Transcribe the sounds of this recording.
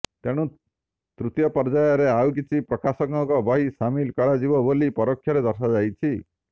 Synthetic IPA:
t̪eɽ̃ũ | t̪ɾut̪jɔpɔɾd͡ʒajɔɾeawk̬it͡ʃʰipɾɔkasɔŋɔŋkɔbɔɦisamilkɔɽad͡ʒibɔbolipɔɾɔkʰːjɔɾed̪ɔɾsad͡ʒajt͡ʃʰi

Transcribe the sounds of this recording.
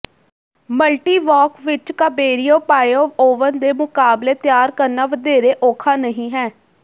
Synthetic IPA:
məlʈiːʋɔːkʋɪt͡ʃkabeːɾioːpaːjoːoːʋənd̪eːmʊkaːbleːt̪jaːɾkəɾnaːʋəd̪eːɾeːʔoːkʰaːnəɦĩːɦɛː

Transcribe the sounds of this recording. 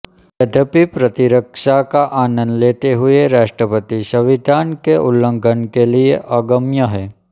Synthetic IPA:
ʋəd̪ʱəpipɾət̪iɾəkʂakaʔaːnənlet̪eɦueɾaʂʈɾəpət̪iʃəʋid̪ʱankeʔulːə̃ŋɡʱənkelieʔəɡəmjəɦɛ

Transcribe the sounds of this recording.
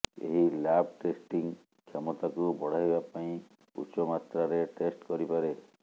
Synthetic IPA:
ḛɦilab̚ʱʈesʈiŋ | kʰjɔmɔt̪akubɔɽ̤ajbapaĩ | ṵt͡ʃɔmat̪ɾaɾeʈesʈkɔɾipaɾe

